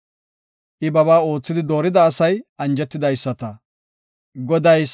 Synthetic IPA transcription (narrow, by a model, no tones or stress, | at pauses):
ʔɪbɐβaːo̞ːt͡sːɪd̪ɪd̪o̞ːɾɪd̪ɐːsɐjʔɐnd͡ʒɛt̪ːɪd̪ɐjsːɐt̪ɐ | ɡɔd̪ɐj